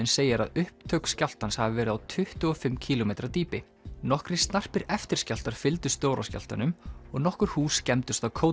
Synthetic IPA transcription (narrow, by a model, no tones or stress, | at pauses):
ɪnseːjɪɾa̰ðʏhp̚t̪ʰœɥkscjawl̥t̪anshavɪvɛːɾʏðawt̪ʰʏht̪ʏɔfɪmːcʰiːlomejt̪ɾat̪iːpɪ | nɔhkɾɪ̥st̪nar̥pɪɾɛft̪ɪ̥cal̥t̪aɾ̥fɪlt̪ʏst̪oːwɾasca̰l̥t̪a̰nʏmɔɣnɔhkʏɾ̥huːscɛmt̪ʏst̪awkʰoː